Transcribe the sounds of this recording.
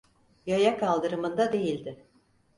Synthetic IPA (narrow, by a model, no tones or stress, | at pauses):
jajakʰalˠd̪ɯɾɯmɯnd̪ad̪e̞jilʲd̪ɪ